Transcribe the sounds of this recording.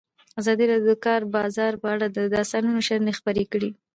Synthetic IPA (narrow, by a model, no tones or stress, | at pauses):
azɑd̪iɾɑd̪jod̪əkɑɾbɑzɑɾpəaɽad̪əd̪ɑst̪ɑnunoʃaɾnexpəɾekəɽi